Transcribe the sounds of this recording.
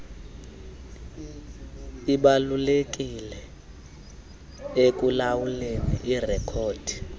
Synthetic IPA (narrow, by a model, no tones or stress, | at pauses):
iɓalulek̬ʼilɛ | ek̬ʼulawuleniirɛkʰoːd̥ʱi̥